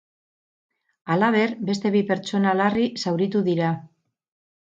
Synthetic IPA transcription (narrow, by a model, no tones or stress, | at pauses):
alaβ̞e̞ɾbe̞st̪e̞βipe̞ɾt͡ʃo̞nalarisawɾit̪uðiɾa